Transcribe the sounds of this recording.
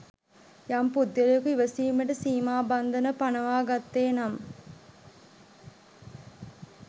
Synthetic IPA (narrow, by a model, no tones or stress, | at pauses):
jampud̪ːjɐlɐjokuiʋɐsiːməʈəsiːmaːband̪ɐnəpanɐʋaːɡat̪ːeːnam